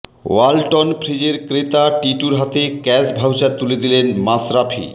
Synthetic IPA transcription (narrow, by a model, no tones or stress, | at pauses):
walʈonpʰɾid͡ʑeɾkɾet̪aʈiʈuɾɦat̪ekɛsbʱawt͡ɕaɾt̪uled̪ilenmasɾapʰḭ